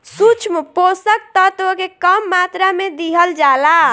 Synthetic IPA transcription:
sut͡ʃʰmposək̚t̪ət̪okekəmːat̪ɾamed̪iɦəld͡ʒala

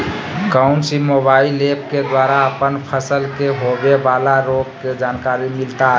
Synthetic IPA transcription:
kaʊnsimobailep̚ked̪waɾaəpənpʰəsəlkeɦobebalaɾoɡ̚ked͡ʒankaɾimilt̪a

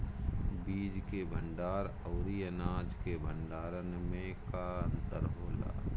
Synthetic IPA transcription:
biːd͡ʒkebʱə̃ɳɖaːɾ | əʊɾijənaːd͡ʒkebʱə̃ɳɖaːɾənmẽkaə̃nt̪əɾɦoːla̰ː

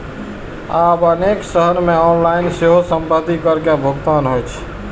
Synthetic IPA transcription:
abəneksəɦənmeɔnlainseɦosəmbəd̪ikəɾkebʱoɡt̪anɦojt͡ʃʰ

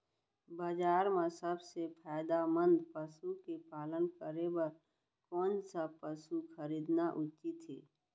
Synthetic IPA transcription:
bad͡ʒaːɾmasəbsepʰaːɪd̪amə̃nd̪pəsukepaːlənkəɾebəɾ | kɔːnsapəsukʰəɾiːd̪naʔʊt͡ʃit̪ʰːḭː

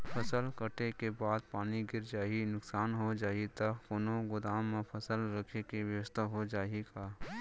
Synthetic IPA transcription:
pʰɐsəlkəʈekebaːd̪̚paːniɡɪɾd͡ʒaːinʊksaːnɦod͡ʒaːit̪akʊnõɡʊd̪aːmːẽpʰɐsəlɾəkʰekiʋjəʋəst̪ʰaɦod͡ʒaːeɡaː

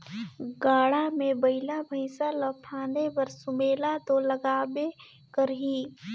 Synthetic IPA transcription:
ɡaːɽamẽbəɪlabʱə̃ɪsaləpʰaːnepəɾsʊmeːlat̪oləɡaːbe | kəɾɦiː

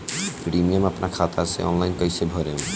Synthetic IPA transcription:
pɾimiamapnaɾkʰat̪asḛɔ̰nlajnkojsebʱɔɾem

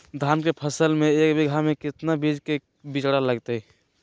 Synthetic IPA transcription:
d̪ʱankepʰəsəlmeekbʱiɡʱamekɪt̪nabid͡ʒke | bit͡ʃɽaləɡt̪e

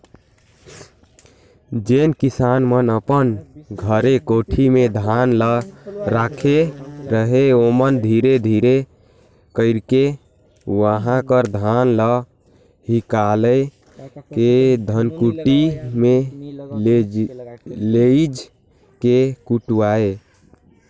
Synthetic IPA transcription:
d͡ʒenkisanmənəpənɡʱəɾekoʈʰimed̪ʱanləɾakʰeɾəɦeomənd̪ʱiɾed̪ʱiɾe | kəɪɾke | ʋəɦãkəɾd̪ʱanlə | ɦikalə | ked̪ʱənkuʈime | leid͡ʒ | kekuʈuae

